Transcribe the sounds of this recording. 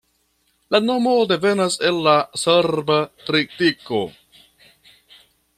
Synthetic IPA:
lano̞mo̞de̞ve̞nase̞lːaseɾbatɾitiko̞̰

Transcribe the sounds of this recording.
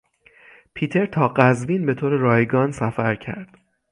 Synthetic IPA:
pʰiːt̪ʰe̞ɾt̪ʰɒːɢæzviːnbe̞t̪ʰoːɾeɾɒːjɡɒːnsæfæɾcʰæ̰ɾd̪̥

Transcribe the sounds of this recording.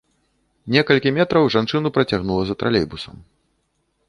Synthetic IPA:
nʲɛkɐlʲkʲimʲɛt̪ɾɐwʐant͡ʂɨnupɾɐt͡sʲaɣnulˠɐzɐt̪ɾa̰lʲḛjbusɐm

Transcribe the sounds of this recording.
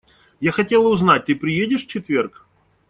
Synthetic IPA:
jaxɐtʲelˠəʊznat̚ʲt̪ɨpɾʲɪjedʲɪʂft͡ɕɪt̪vʲerk

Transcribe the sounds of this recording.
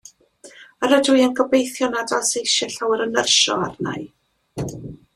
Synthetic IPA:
əɾədʊɨanɡɔbejθjɔnadasejʃɛɬawəɾənərʃɔ̰arna̰j

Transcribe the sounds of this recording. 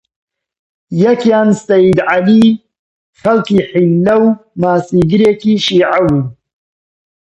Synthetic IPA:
jɐkjaːnsɐjid̪ʕali | xɐlkiħilːɐwmaːsiːɡɨɾeːkiːʃiːʕabu

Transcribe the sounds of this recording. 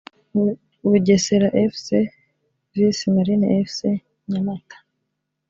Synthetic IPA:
βuɟeseɾaʔefse | visimaɾineʔefse | ɲamatḁ

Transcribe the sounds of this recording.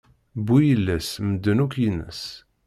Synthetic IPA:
bujəlːæsməd̪ːənukjinːə̰s

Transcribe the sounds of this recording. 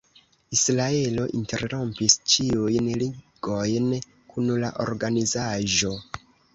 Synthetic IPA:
isɾae̞lo̞ʔinte̞ɾɾo̞mpist͡ʃiujnliɡ̥o̞jn | kunla̰ʔo̞̰ɾɡanizaʒo̞

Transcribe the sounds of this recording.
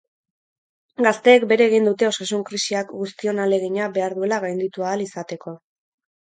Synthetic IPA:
ɡast̪e̞ːkbe̞ɾe̞ːɣ̞ind̪ut̪e̞o̞sasuŋkɾisiakɡust̪io̞nale̞ɣ̞iɲabe̞aɾðue̞laɣ̞ajnd̪it̪uaːlisat̪e̞kʰo̞

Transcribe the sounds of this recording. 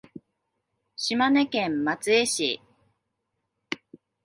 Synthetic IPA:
ɕimane̞kẽ̞mmat͡sɨeɕḭ

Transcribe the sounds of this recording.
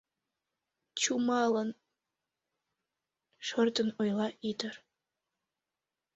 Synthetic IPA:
t͡ɕumɑlɤn | ʂərt̪ənojlˠɑʔid̪ər

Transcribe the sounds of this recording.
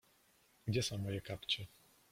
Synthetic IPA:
ɡ̥d͡ʑɛsɔ̃w̃mɔjɛkapt͡ɕɛ

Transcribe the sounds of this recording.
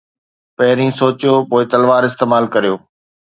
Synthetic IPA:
pɐɦɪɾĩːsoːt͡ɕjoːpoːɪt̪ɐlʋaːɾɪst̪eːmaːlkɐɾijoː

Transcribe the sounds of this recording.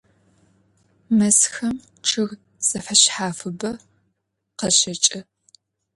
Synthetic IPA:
mɐsxɐm | ʈ͡ʂʰɨɣ | sɐfɐɕħaːfɨbɐ | qɐɕɐt͡ʃʼɐ

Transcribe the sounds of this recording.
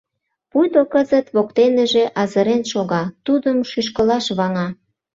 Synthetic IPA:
pujd̪okəzət̪βok̚t̪eneʒeʔɑzəɾenʃoɣɑt̪ud̪əmʃyʃ̬kəlɑʃβɑŋɑ

